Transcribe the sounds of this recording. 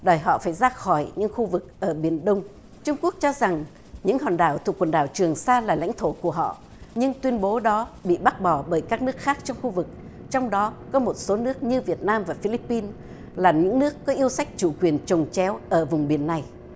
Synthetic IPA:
ɗəː˨˩jɦɔ̰˧˨faː˧˩jzaː˧xɔ˧˩jɲɨ̰˧˥ŋxu˧vɨ˨˩k̚ʔəː˧˩ɓi˧˩ənɗə˧wŋ͡m | t͡ɕʊ˧ŋ͡mku˦˥ək̚t͡ɕɔ˧za˨˩ŋ | ɲɨ̰˧˥ŋhɔː˨˩nɗaː˧˩wt̪ʰu˨˩kwə˨˩nɗaː˧˩wt͡ɕɨ˨˩əŋsaː˧laː˨˩la̰˧˥jŋ̟t̪ʰo˧˩ku˧˩əɦɔ̰˧˨ | ɲɨ˧ŋt̪wi˧ənɓo˨˦ɗɔ˨˦ɓḭ˧˨ɓa˦˥t̚ɓɔ˧˩ɓəː˧˩jkaː˦˥k̚nɨ˦˥ək̚xaː˦˥k̚t͡ɕɔ˧wŋ͡mxu˧vɨ˨˩k̚ | t͡ɕɔ˧wŋ͡mɗɔ˨˦kɔ˨˦mo˨˩t̚so˨˦nɨ˦˥ək̚ɲɨ˧vi˨˩ət̚naː˧mvaː˨˩fi˧li˦˥pːi˧n | laː˨˩ɲɨ̰˧˥ŋnɨ˦˥əkːɔ˨˦ʔi˧əwsa˦˥jk̟̚t͡ɕu˧˩kwi˨˩ənt͡ɕə˨˩wŋ͡mt͡ɕɛ˨˦wʔəː˧˩vʊ˨˩ŋ͡mɓi˧˩ənːa˨˩j

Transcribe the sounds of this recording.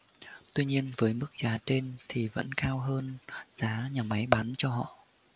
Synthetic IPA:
t̪wi˧ɲi˧ənvəː˨˦jmɨ˦˥k̚z̥aː˨˦t͡ɕe˧nt̪ʰi˨˩və̰˧˥nkaː˧wɦəː˧nz̥aː˨˦ɲaː˨˩ma˨˦jɓa˨˦nt͡ɕɔ˧ɦɔ̰˧˨

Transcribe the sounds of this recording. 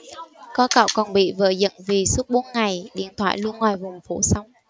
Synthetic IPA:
kɔ˨˦ka̰ː˧˩wkɔ˨˩nɓḭ˧˨və̰ː˧˩zə̰˧˨nvi˨˩su˦˥p̚ɓo˨˦nŋa˨˩jɗḭ˧˨ənt̪ʰwa̰ː˧˨jlu˧ənŋwaː˨˩jvʊ˨˩ŋ͡mfu˧˩˦sa˨˦wŋ͡m

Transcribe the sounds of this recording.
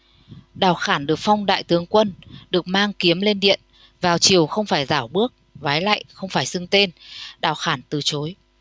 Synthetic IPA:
ɗaː˧˩wxaː˧˩nɗɨ˨˩ək̚fa˧wŋ͡mɗa̰ː˧˨jt̪ɨ˨˦əŋkwə˧nɗɨ˨˩ək̚maː˧ŋki˨˦əmle˧nɗḭ˧˨ən | vaː˨˩wt͡ɕi˨˩əwxə˧wŋ͡mfaː˧˩jzaː˧˩wɓɨ˦˥ək̚vaː˨˦jla̰ː˧˨jxə˧wŋ͡mfaː˧˩jsɨ˧ŋt̪e˧nɗaː˧˩wxaː˧˩nt̪ɨ˨˩t͡ɕo˨˦j

